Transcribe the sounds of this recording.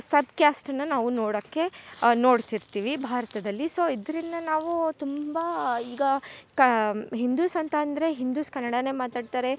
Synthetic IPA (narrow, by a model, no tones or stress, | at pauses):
sɐbkjaːsʈɐnːɐnaːʋunoːɽɐkːe̞no̞ːɽt̪iɾt̪iːʋibʱaːɾɐt̪ɐd̪ɐlːiso̞ːid̪ɐɾind̪ɐnaːʋut̪umbɐiːɡɐkɐɦind̪uːsɐnt̪ɐːnd̪ɐɾe̞ɦind̪uːskɐnːɐɽɐne̞ːmaːt̪aːɖt̪aːɾe̞